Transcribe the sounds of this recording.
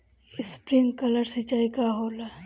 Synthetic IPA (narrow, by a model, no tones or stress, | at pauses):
ɪspɾɪŋɡkɐləɾsit͡ʃaːikaɦoːla